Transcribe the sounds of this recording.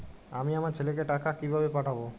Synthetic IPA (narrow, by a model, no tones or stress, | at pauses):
amiamaɾt͡ɕʰelek̬eʈakakibʱabepaʈʰabo